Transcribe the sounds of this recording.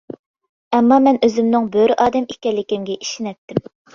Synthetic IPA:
ɛmːɑmɛnøzɪmnɪŋbøɾʔɑːd̪ɛmikʲːɛlːɪkʲɪmɡʲɛʔi̥ʃinɛt̪ːɪm

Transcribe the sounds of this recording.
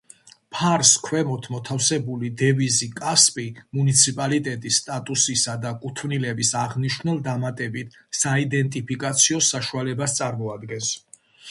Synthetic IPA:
pʰaɾskʰwɛmɔt̪ʰmɔt̪ʰafsɛbulid̪ɛvizikʼaspʼimunit̪sʰipʼalit̪ʼɛt̪ʼisːt̪ʼat̪ʼusisad̪akʼut̪ʰvnilɛbisaʁniʃnulˠd̪amat̪ʼɛbit̪ʰ | said̪ɛnt̪ʼipʰikʼat̪sʰiɔsaʃualɛbast̪sʼaɾmɔad̪ɡɛns

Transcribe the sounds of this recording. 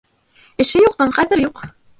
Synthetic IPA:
ɘ̆ʃɘjuq̚t̪ɑɴχæðɘ̆ɾjuq

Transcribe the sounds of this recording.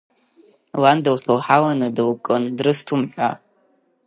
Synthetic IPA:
landawsalħawanɨdɨwkʼɨndrɨstʰumħʷᶣa̰

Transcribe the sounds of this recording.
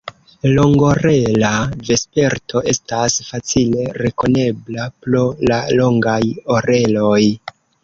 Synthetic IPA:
loŋɡo̞ɾe̞lave̞spe̞ɾtʰo̞ʔe̞stasfat͡sile̞ɾe̞ko̞ne̞blaplolalo̞ŋɡajo̞ɾe̞lo̞j

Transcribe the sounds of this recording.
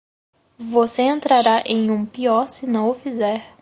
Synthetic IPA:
voseẽnt̪ɾaɾaʔẽj̃ũpiɔɾsɪnɐ̃w̃ʊfizɛɾ

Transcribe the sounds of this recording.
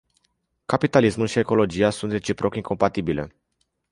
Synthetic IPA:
kapit̪alismulʃie̞ko̞lo̞d͡ʒiasunt̪re̞t͡ʃipɾo̞kiŋko̞mpat̪ibile̞̰

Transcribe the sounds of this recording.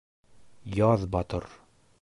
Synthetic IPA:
jɒðbɒt̪ɤɾ

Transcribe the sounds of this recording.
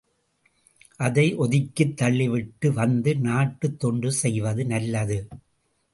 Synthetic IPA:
ʔɐðɐɪʔɔðɪkːɯt̪ːɐɭːɪʋɪʈːɯʋɐnd̪ɯnaːʈːɯt̪ːɔɳɖɯsɛjʋɐðɯnɐlːɐðɯ

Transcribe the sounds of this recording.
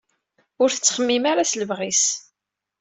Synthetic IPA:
ʊɾθət͡sːχəmːimaɾasləvʁis

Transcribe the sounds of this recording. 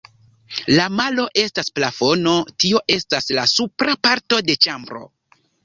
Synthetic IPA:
lamalo̞ʔe̞stasplafo̞no̞tio̞ʔe̞staslasupɾapaɾto̞de̞t͡ʃambɾo̞̰

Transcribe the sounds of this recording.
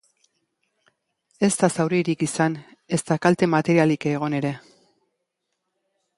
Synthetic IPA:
e̞st̪asawɾiɾikisane̞st̪akalt̪e̞mat̪e̞ɾialikeɣ̞o̞ne̞ɾe̞

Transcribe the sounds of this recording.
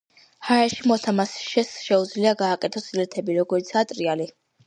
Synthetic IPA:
haɾɛʃimɔt̪ʰamasʃɛsʃɛud̪zliaɡaːkʼɛt̪ʰɔsilɛt̪ʰɛbiɾɔɡɔɾit̪sʰat̪ʼɾiali

